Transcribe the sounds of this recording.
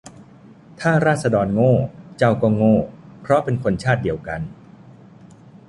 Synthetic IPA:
t̪ʰaː˥˩ɾaː˥˩t̪̚sa˧dɔː˧nŋoː˥˩t͡ɕa˧wkɔː˧˩ŋoː˥˩pʰɾɔ˦˥pe˧nkʰo˧nt͡ɕʰaː˥˩t̪̚di˧˩əwka˧n

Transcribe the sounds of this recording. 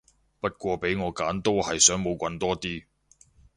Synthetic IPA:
pɐ˥t̚kʷɔː˧pe˨˥jŋɔː˨˧kaː˨˥nt̪o˥whɐ˨jsœː˨˥ŋmo˨˧wkʷɐ˧nt̪ɔː˥t̪iː˥

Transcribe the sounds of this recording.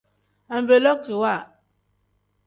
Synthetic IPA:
a˨m˨be˨lɔ˦k̚ti˨wa˦˨

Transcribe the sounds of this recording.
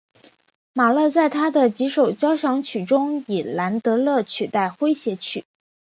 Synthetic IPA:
ma˨˩lɤ˥˧t͡sa˥˩ɪt̪ʰa˥d̪ə˨t͡ɕi˧˥ʂo˨˩ʊt͡ɕjɑ˥ʊʂɑ˧˥ŋt͡ɕʰy˨˩ʈ͡ʂʊ˥ŋi˨˩la˧˥nt̪ɤ˧˥lɤ˥˩t͡ɕʰy˨˩t̪a˥˩ɪxwe˥ɪɕjɛ˧˥t͡ɕʰy̰˨˩˦

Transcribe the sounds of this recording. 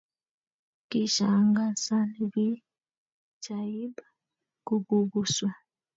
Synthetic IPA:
ki˦ʃa˨˦ŋɡa˦sa˦ni˨βi˦ | d͡ʒa˨ji˦ba˦ | ku˦ɡu˦βu˨swa˨

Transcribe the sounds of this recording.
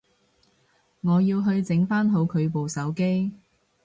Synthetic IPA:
ŋɔː˨˧jiː˧wɦɵ˧ɥt͡sɪ˨˥ŋfaː˥nɦo˨˧wkʰɵ˨˧ɥp̬o˨wsɐ˨˥wke˥j

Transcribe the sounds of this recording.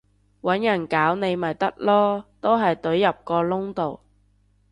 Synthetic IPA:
wɐ˨˥njɐ˨˩nkaː˨˥wne˨˧jmɐ˨˩jt̪ɐ˥k̚lɔː˥t̪o˥wɦɐ˨jt̪ɵ˨˥ɥjɐ˨p̚kɔː˧lʊ˥ŋt̪o˨˩w

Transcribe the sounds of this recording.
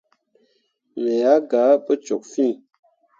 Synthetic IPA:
le˨ja˨˦ɡa˨˦pə˦t͡ʃo˨k̚fi˦˨

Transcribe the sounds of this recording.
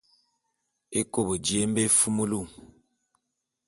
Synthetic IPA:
e˦ko˦˨bə˨d͡ʒi˨e˦m˦be˦fu˦mu˦lu˦˨

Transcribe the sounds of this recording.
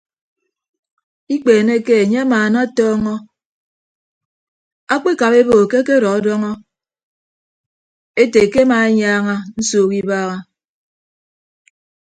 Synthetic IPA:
i˦k͡peː˨ne˦ke˦e˨ɲe˦a˦maː˨na˦tɔː˦ŋɔ˦ | a˦k͡pe˦ka˨pe˦bo˨ke˦ke˦ɾɔ˨ɔ˦dɔ˦ŋɔ˦ | e˦te˨ke˦ma˨e˦ɲaː˦ŋa˦n̩˦soː˨ki˦baː˦ɣa˦

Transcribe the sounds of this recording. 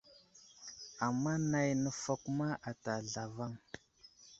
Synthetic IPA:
a˨mːa˦na˨jnə˦fa˨ku˦ma˦ʔa˨ta˨ɮa˨va˦ŋ

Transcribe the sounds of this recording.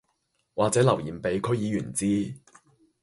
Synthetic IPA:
waː˨k̚t͡sɛː˨˥lɐ˨˩wjiː˨˩mpe˨˧jkʰɵ˥ɥjiː˨˧jyː˨˩nt͡siː˥

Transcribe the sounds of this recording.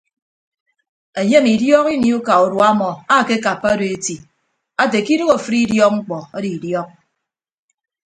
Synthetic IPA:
e˨ɲe˦mi˨djɔ˦ki˦ni˦u˦ka˨u˨dwa˦mɔ˨a˦˨ke˦ka˨pːa˦do˨e˦ti˨ | a˦te˨ki˦ɾɨ˦ɣo˨fɾi˦djɔ˦k̚ŋ͡m̩˦k͡pɔ˨a˦di˨i˨djɔ˦k̚

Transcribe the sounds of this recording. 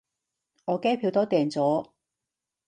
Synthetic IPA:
ŋɔː˨˧kɛː˥pʰiː˨˧wt̪oː˥t̪ɛː˨˩ŋt͡sɔː˨˥

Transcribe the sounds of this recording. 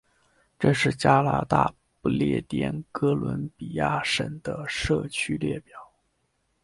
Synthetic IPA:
ʈ͡ʂɤ˥˧ʂɻ̩˥˩t͡ɕja˥la̰˧t̪a̰˥˩ | pu˥˧ljɛ̰˥˩t̪jɛ̰˥˩nkɤ˥lwə̰˧˥npi˨˩ja˥˩ʂə̰˨˩ŋd̪ə˦ʂɤ˥˩t͡ɕʰy˥ljɛ˥˩pjɑ˨˩˦ʊ

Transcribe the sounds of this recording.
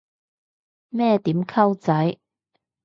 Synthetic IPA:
mɛː˥˧t̪iː˨˥mkʰɐ˥wt͡sɐ˨˥j

